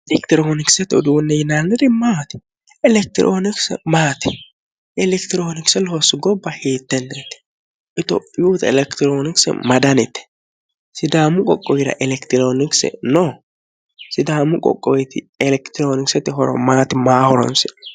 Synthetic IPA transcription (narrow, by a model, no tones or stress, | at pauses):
ɛlɛkt̪ɪɾoːnɪksɛt̪ːɔd̪uːnːɛjɪnanːɛd̪ɪmaːt̪ɪ̥ | ɛlɛk̚t̪ɪɾʔoːnɪksɛ̰maːt̪ɪ̥ | ɛlɛkt̪ɪɾoːnɪksɛlhɔsɪɡɔbːɐheːt̪ːɛnːɛt̪ːɛ̥ | ʔɪt̪o̰pʼːɪjuːt̪ɐɛlɛkt̪ɪɾoːnɪksɛ̰mɐd̪ɐnɛt̪ːɛ̥ | sɪd̪aːmʊkʼɔkʼːɔwɪɾɐ̰ʔɛlɛkt̪ɪɾoːnɪksɛ̰noː | sɪd̪aːmʊkʼɔ̰kʼːɔjɛt̪ɪ | ɛlɛkt̪ɪɾoːnɪksɛt̪ːɪɦɔɾɔ̰maːt̪ɪmaːhɔɾɔ̰nsɛ